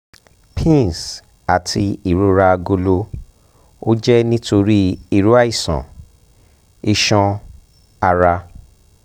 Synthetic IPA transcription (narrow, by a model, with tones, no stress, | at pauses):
pʰĩ˦˨s | a˨tʰi˧i˦˨ɾo˦ɾa˧ɡo˧lo˧ | o˦d͡ʒɛ˦nĩ˦tʰo˧ɾi˦i˦˨ɾu˨˦a˦i˦˨sã̰˨ | i˧ʃɔ̃˧ | a˧ɾa˧